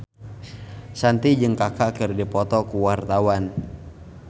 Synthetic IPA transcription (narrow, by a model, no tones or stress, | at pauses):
sant̪id͡ʒəŋkakakərdipɔt̪ɔkuwart̪awan